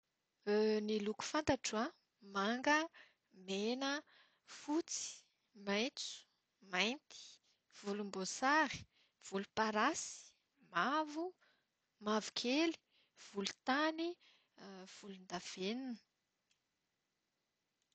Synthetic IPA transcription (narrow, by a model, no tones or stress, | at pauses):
niluku̥fant̪aʈ͡ʂua | maŋɡə | menə | fut͡si̥ | majnt͡su̥ | majnt̪i̥ | v̥ulumbosaɾi̥ | v̥ulupaɾasi̥ | mavu | mavu̥kʲʰeli̥ | v̥ulut̪ani | v̥ulund̪av̥eninə̥